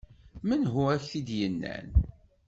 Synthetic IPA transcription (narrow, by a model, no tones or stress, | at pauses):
mənɦuæçθid̪jənːæ̰n